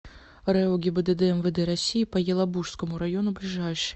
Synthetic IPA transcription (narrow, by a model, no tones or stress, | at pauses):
ɾɛɔɡʲibɛd̪ɛd̪ɛɛmvɛd̪ɛɾasʲijipɐjɛlˠabuʂskɐmuɾajɔnʊblʲiʐajʂɨ̥